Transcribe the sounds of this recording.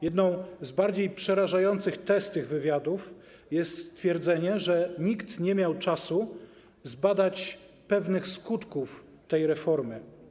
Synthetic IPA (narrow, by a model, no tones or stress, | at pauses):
jɛd̪nɔ̃w̃zbaɾd͡ʑejpʂɛɾaʐajɔnt̪sɘxt̪ɛst̪t̪ːɘɣvɘvʲjad̪uf | jɛst̪st̪fʲjɛɾd̪zɛɲɛʐɛɲikt̪ɲɛmʲjawt͡ʂasu | zbad̪at͡ɕ | pɛvnɘxskut̪kuf | t̪ɛjɾɛfɔɾmɘ